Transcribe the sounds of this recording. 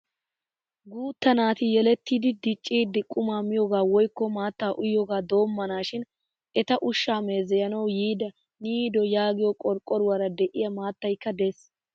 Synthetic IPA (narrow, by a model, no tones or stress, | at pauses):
ɡuːt̪ːɐnaːt̪ɪjɛlɛt̪ːiːd̪ɪd̪ɪt͡ʃʼːiːd̪ːɪkʼʊmaːmɪjɔɡaːwɔjkːɔmaːt̪ːaːʔʊjːɔɡaːd̪o̞ːmːɐnaːʃɪn | ʔɛt̪ɐʔʊʃːaːme̞ːzɛjɐnɐwjiːd̪ɐ | niːd̪ɔjaːɡɪjɔkʼɔɾkʼːɔɾʊwɐɾɐd̪ɛʔɪjɐmaːt̪ːɐjkːɐd̪e̞s